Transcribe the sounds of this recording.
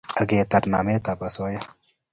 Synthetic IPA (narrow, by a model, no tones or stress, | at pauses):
əɡeːt̪ɐɾnaːmet̪apɐsoːje